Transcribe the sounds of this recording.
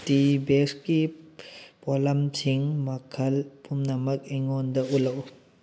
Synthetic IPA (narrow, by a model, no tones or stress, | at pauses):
tibeski | pɔlɐmtʰiŋmɐkʰɐlpumnɐmɐk̚eŋɔndɐulɐw